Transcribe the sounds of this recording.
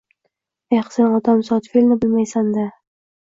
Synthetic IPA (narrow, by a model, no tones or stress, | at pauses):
eχsenɒt̪ʰamsɒt̪felnɪbɪlmajsand̪a